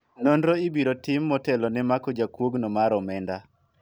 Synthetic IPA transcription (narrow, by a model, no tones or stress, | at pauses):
nondɾoibiɾotɪmːɔtɛlɔnɪmakɔd͡ʒakwoɡnɔmaɾɔmɛnda